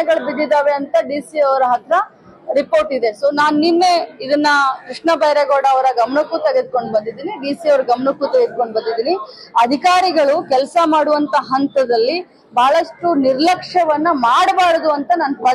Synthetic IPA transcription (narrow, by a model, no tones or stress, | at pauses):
ɛɡɐɭbid̪ːid̪aːʋeɐnt̪ɐɖiːsiɐʋɐɾɐɦɐt̪ɾɐ | ɾipoːɾʈid̪e̞soːnaːnuninːe̞id̪ɐnːɐkɾiʂɳɐbɐjɾɐɡoːɽɐːʋɐɾɐɡɐmɐɳukːut̪eɡe̞d̪̚ko̞ɳɖbɐnd̪id̪iːniɖiːsiɐʋɾɐɡɐmɐɳukːut̪ɛɡed̪̚ko̞ɳɖbɐnd̪id̪iːniɐd̪ʱikaːɾiɡɐɭukɛlsɐmaːɽuʋɐnt̪ɐɦɐnt̪ɐd̪ɐlːi | bʱaːɭɐʂʈuniɾlɐkʂɐʋɐnːɐmaːɽɐbaːɽɐd̪uɐnt̪ɐnaːnɐ